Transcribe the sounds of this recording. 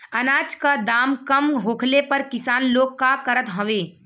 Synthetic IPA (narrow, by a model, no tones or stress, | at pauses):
ənaːd͡ʒkad̪aːmkəmɦoːkʰlepəɾkɪsaːnloːɡ̚kakəɾət̪ɦəʋeː